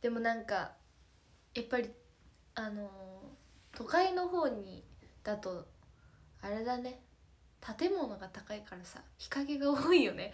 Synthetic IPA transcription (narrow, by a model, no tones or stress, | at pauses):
d̪̥e̞mo̞nãŋka | japːaɾʲi | ano̞ | t̪o̞kaino̞ɦo̞ːɲ̟id̪̥at̪o̞ | aɾe̞d̪ane̞ | t̪ʰat̪e̞mo̞no̞ɡat̪akaikaɾasa̰çi̥kaɡe̞ɡaoːijo̞ne̞